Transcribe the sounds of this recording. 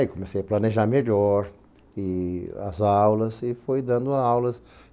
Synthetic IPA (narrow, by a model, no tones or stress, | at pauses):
ikomesejɐplɐneʒaɾmeʎɔɾ | ɪɐ̰zawlɐzɪfojd̪ɐ̃nd̪ʊawlɐs